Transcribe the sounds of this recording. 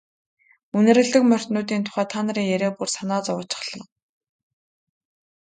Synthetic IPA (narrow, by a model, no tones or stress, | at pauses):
unɘ̆ɾɘ̆ɮɘ̆kmœr̥ʲt̪nʊːt̪̬iːnt̪ʰʊ̥χæːt̪ʰaːnə̆ɾiːŋjæɾeːpursanaːt͡sɔwʊːt͡ɕɪ̥̆χɮ̥ə̆ŋ